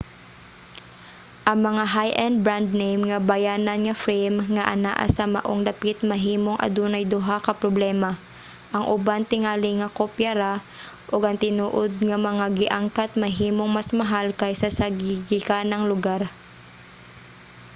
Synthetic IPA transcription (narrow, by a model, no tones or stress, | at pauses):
ʔɐŋmɐŋaɦajʔɛnd̪̚bɹand̪̚nejmŋɐbɐjaːnɐnŋɐfɾɛjmŋɐʔɐ̰na̰ʔa̰sɐmɐ̰ʔoŋd̪ɐpit̪̚mɐɦiːmo̞ŋʔɐ̰d̪uːnɐjd̪ʊɦakɐpɾoblɛːmɐ | ʔɐŋʔʊbant̪ɪŋaːlɪŋɐkopjaɾa | ʔoɡɐŋt̪ɪnuːʔod̪̚ŋɐmɐŋaɡɪʔaŋkat̪̚mɐɦiːmo̞ŋmasmɐɦalkɐjsɐsɐɡiɡɪkanɐŋlʊɡaɾ